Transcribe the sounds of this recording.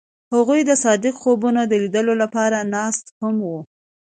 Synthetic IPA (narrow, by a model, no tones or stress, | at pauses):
haɣujd̪əsɑd̪ɪqxobunod̪əlid̪əlolapɑɾanɑst̪hamwu